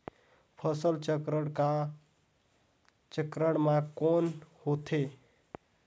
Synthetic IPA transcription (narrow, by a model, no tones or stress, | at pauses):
pʰəsəlt͡ʃəkɾəɽka | t͡ʃəkɾəɽmãkɔnhot̪ʰe